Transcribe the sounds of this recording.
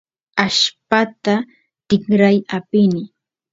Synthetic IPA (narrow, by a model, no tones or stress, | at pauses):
aʃpat̪a | t̪ɪχɾajapɪnɪ